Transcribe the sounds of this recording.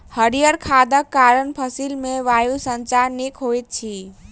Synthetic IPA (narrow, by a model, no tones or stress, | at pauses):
həɾijəɾkʰad̪əkːaɾənpʰəsilmeʋajusənt͡ʃaɾnekɦojt̪̚t͡ʃʰi